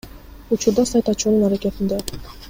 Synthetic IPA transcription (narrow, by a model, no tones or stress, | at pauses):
ut͡ʃuɾd̪ɑsɑjt̪ɑt͡ʃununɑɾakʲet̪ind̪e